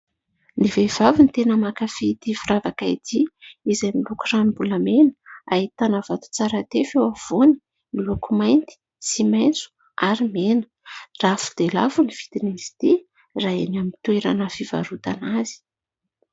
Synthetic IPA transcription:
nivev̥avint̪enəmakafit̪ifiravakait̪iizajmilukuranibulamenəait̪anavat̪u̥t͡saɾat̪efewav̥oni̥ | milukumajnt̪i̥ | simajnt͡su̥ | aɾimenə̥ | rafu̥d̪̥elavuniv̥id̪inizi̥t̪i | raenamit̪ueɾa̰nəfiva̰ɾut̪anaz̥i̥

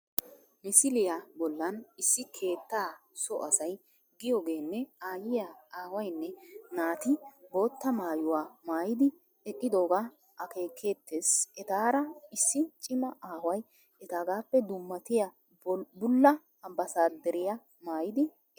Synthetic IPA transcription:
mɪsɪlɪjabɔlːɐnɪsːɪkʰe̞ːt̪ːaːsɔ̰ʔɐsɐj | ɡɪjɔɡe̞ːnːɛaːjɪjaaːwɐjnːɛnaːt̪ɪbo̞ːt̪ːɐmaːjʊwaːmaːjɪd̪ɪ | ɛkʼːɪd̪o̞ːɡaː | ʔɐke̞ːkʰːe̞ːt̪ːeːsɛt̪aːɾɐɪsːɪt͡ʃʼɪmɐʔaːwɐj | ɛt̪aːɡaːpːɛd̪ʊmːɐt̪ɪjɐ | bʊlːɐ | ɐbɐsaːd̪ɛɾɪjɐ | maːjɪd̪ɪ

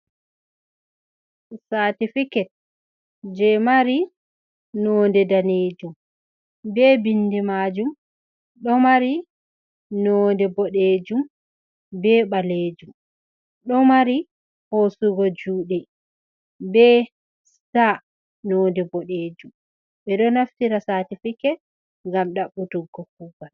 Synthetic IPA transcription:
satifikɛt̚ | d͡ʒɛmaɾi | nɔːndɛdaneːd͡ʒum | bɛbindɛmaːd͡ʒum | ɗɔmaɾi | nɔːndɛbɔɗeːd͡ʒum | bɛːɓaleːd͡ʒum | ɗɔmaɾi | hosuɡɔd͡ʒuːɗɛ | bɛ | sa | nɔːndɛbɔɗeːd͡ʒum | ɓɛɗɔnaftiɾasaːtifikɛ | ŋɡamɗaɓːutuɡːɔkuɡal

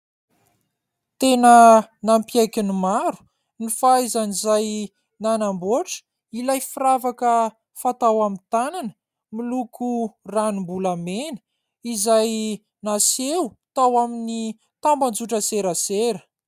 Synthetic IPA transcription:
t̪enənampiajkinimaɾu̥ | nifaizanizaj | nanamboʈ͡ʂə̥ | ilajfiravakə | fat̪awamint̪ananə | milukʰuranimbulamenə̥ | izaj | nasewt̪awamini | t̪amband͡zuʈ͡ʂəseɾəseɾə̥

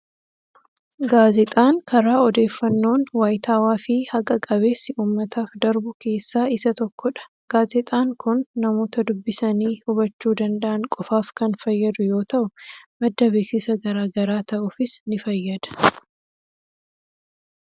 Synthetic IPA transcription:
ɡaːzɛt̪ʼaːŋkɐɾaːɔd̪e̞ːfːɐnːo̞ːnwaːjt̪ʰaːwaːfɪhɐkʼɐkʼɐβeːsːɪʔuːmːɐt̪ʰaːfd̪ɐɾbʊke̞ːsːaːɪsɐt̪ɔkːɔᶑɐ̥ | ɡ̥aːzɪt̪ʼaːŋkʊnːɐmo̞ːt̪ɐd̪ʊbːɪsɐniːhʊβɐt͡ʃːuːd̪ɐnd̪ɐʔɐŋkʼɔfaːfkɐnfɐjːɐd̪ʊjo̞ːt̪ɐʔʊmɐd̪ːɐbeːksɪsɐɡɐɾaːɡɐɾaːt̪ɐʔʊfɪsnɪfɐjːɐd̪ɐ̥

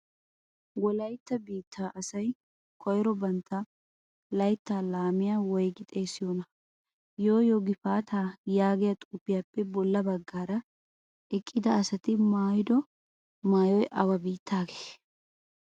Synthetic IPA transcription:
wɔlɐjt̪ːɐbiːt̪ʰːaːʔɐsɐj | kʰɔjɾɔbɐnt̪ːɐ | lɐjt̪ːaːlaːmɪjawɔjɡɪt̪ʼeːsɪjonɐ | jo̞ːjoːɡɪfaːt̪ʰaːjaːɡɪjɐt̪ʼʊpːɪjaːpːɛbɔlːɐbɐɡːaːɾɐ | ʔɪkʼːɪd̪ɐːsɐt̪ɪmaːjd̪ɔ | maːjɔjʔɐwɐbiːt̪ʰːaːɡe̥ː

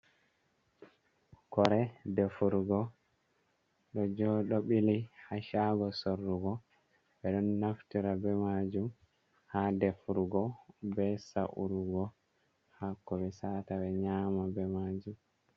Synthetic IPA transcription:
kɔɾɛdefuɾɡɔ | ɗɔd͡ʒɔɗɔɓilihaʃaɡɔsorːuɡɔ | bɛɗɔnːaftiɾabɛmad͡ʒum | hadɛfuɾuɡɔbɛsaʔṵɾuɡɔ | hakːɔbɛsataɓɛɲamabɛmad͡ʒum

